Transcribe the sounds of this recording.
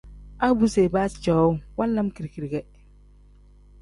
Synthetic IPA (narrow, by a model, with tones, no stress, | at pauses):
a˦bu˦se˨baː˦˨t͡ʃɔ˨˦wa˦lːa˦mki˨ɾki˨ɾɡɛ˦